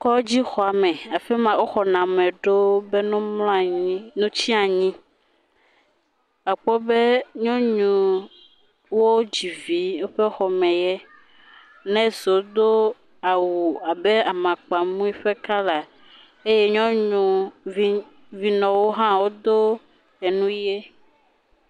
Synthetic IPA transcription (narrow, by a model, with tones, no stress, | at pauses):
kɔ˦d͡ʑi˦xɔ˨a˨mɛ̃˨a˨fɛ˦mã˨o˦xɔ˨nã˨mɛ̃˨ɖo˦be˦nũ˦mlɔ̃˦a˨ɲĩ˦nũ˦t͡ɕi˦a˨ɲĩ˦ | a˨k͡pɔ˦be˦ɲɔ̃˦ɲũ˨ | wo˦d͡ʑi˨vi˨˦wo˦ɸe˦xɔ˨mɛ̃˨jɛ˦ | nɛ̃˦zo˨d̪o˦ | a˨wu˨a˨be˦a˨mã˨k͡pa˨mũ˦i˦ɸe˦ka˦la˨ | e˦je˦ɲɔ̃˦ɲũ˨vi˦ | vi˨nɔ̃˨wo˦ɦã˦wo˦d̪o˦ | ɛ˨nũ˦je˦